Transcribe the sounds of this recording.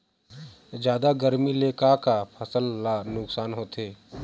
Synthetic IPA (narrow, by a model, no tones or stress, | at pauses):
d͡ʒjaːd̪aɡəɾmileːkakapʰəsəlːanʊksaːnɦoːt̪ʰeː